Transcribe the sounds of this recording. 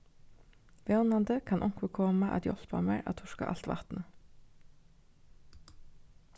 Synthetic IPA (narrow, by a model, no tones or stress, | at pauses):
ʋeːnɑnd̪əkʰɑnʔɔŋkʋəkʰɔməʔɑ̰t̪jɔ̰lpɑ̰mḛɹʔɑ̰ːt̪ʰʊʃkɑ̰ʔɑ̰lt̪ʋɑ̰t̪nə